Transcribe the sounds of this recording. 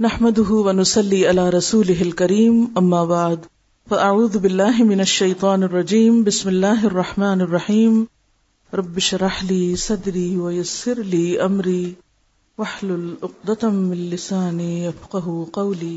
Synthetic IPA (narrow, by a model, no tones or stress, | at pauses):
naħmad̪ʊɦʊwanʊsɑlːiːʔalaːɾˤɑsuːlɪɦɪlkaɾiːmʔamːaːbaʕd̪ | faʔaʕuːðʊbɪlːaːɦɪmɪnaʃːajt̪ˤɑːnɑrˤːɑd͡ʒiːmbɪsmɪlːaːɦʔɑrˤːɑħmaːnɑrˤːɑħiːm | ɾˤɑbːɪʃɾˤɑħliːsˤɑd̪ɾiːwajasːɪɾliːʔamɾiː | waħlʊlʔʊq̚d̪ɑmɪnlɪsaːnjafqɑɦʊqɑwliː